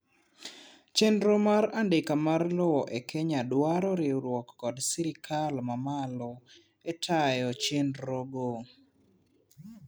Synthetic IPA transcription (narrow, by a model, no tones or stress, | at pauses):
t͡ʃenɾomaɾandɪkamarlowɔʔekʰeɲadwaɾɔɾɪɾwɔkːɔdsiɾɪkʰalmamalɔ | etʰajɔt͡ʃenɾoɡo